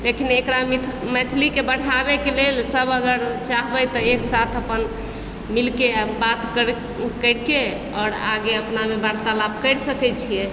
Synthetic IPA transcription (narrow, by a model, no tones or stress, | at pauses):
lekinekɾamimɛt̪ʰlikebəɽ̤abekelelsəbəɡəɾt͡ʃaɦbəjt̪əeksat̪ʰəpən | milkebat̪k | kəɾke | ɔːɾa̰ɡeəpnamebaɾt̪alabkəɾsəkɛt͡ʃʰije